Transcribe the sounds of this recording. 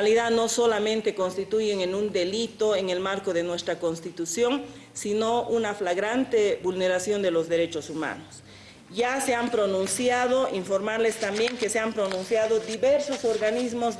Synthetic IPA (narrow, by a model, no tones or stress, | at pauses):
aliðano̞so̞lamẽnt̪e̞ko̞nst̪it̪uʝeŋenũnd̪e̞lit̪o̞eŋe̞lmaɾko̞ðenwe̞st̪ɾako̞nst̪it̪usjo̞ŋ | sino̞ʔunaflaɣɾant̪e̞bulne̞ɾasjo̞nd̪e̞lo̞zðe̞ɾe̞t͡ʃosuma̰nos | ʝase̞ampɾo̞nũnsjaðo̞iɱfo̞ɾmaɾle̞st̪ambjeŋke̞seampɾo̞nũnsjaðod̪iβeɾsosoɾɣanizmoz